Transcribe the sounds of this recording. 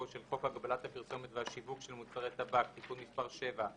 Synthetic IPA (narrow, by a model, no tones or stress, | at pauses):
oʃelχo̞khaɡabalat̪hapiʁso̞met̪veɦaʃivukʃelmut͡saʁet̪abak̚t̪ikunmispaʁʃe̞va